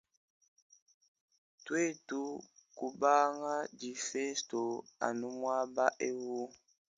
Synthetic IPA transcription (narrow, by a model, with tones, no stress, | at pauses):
twe˦˨tu˦ku˨ba˦ŋa˦d͡ʒi˨fe˦sto˨a̰˨nu˦mwa˦ba˦ʔe˦wu˦